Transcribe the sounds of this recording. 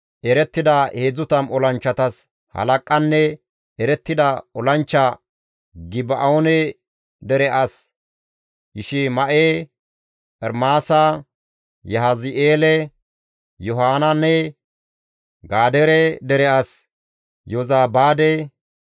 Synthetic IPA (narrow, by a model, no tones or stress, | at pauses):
ʔɛɾɛt̪ːɪd̪ɐʔeːd͡zʊt̪ɐmɔlɐnt͡ʃːɐt̪ɐs | hɐ̰lɐkʼːɐnːɛ | ɛɾɛt̪ːɪd̪ɐɔlɐnt͡ʃːɐ | ɡɪbɐʔɐonɛ | d̪ɛɾɛʔɐs | jɪʃɪmɐʔe | pʼɛɾmaːsɐ | jɐɦazɪʔeːlɛ | jɔɦaːnɐnːɛ | ɡaːd̪ɛɾɛd̪ɛɾɛʔɐs | jɔzaːbaːd̪ɛ